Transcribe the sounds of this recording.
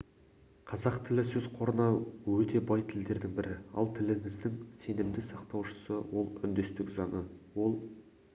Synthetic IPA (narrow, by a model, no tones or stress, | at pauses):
qʰɑzɑqt̪ʰɪlɪsɵzqʰo̞ɾənɑwɵt̪e̞bɑjt̪ʰɪld̪e̞ɾd̪ɪŋbɪɾɪɑ̰lˠt̪ʰɪlɪmɪzd̪ɪŋse̞nɪmd̪ɪsɑqt̪ɑwʃə̥səwo̞lˠʏnd̪est̪ɪkzɑɴəwo̞lˠ